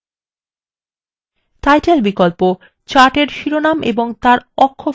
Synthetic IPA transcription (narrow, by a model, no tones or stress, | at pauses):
tajʈelbikolpo | t͡ɕaʈeɾʃiɾonamʔḛboŋt̪aɾɔkʰːo